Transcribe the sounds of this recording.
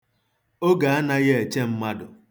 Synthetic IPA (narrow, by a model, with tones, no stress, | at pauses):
o˦ɡa˨a˦na˦ɣe˦e˨t͡ʃe˦m̩˦ma˦dʊ˨